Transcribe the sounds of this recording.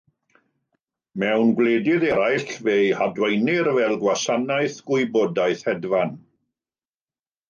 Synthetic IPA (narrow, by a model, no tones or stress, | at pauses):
mɛwnɡwleːdɪðɛɾajɬvejhadwɛjnɪɾvɛlˠɡwasanajθɡ̥ʊɨbɔdajθhɛdvan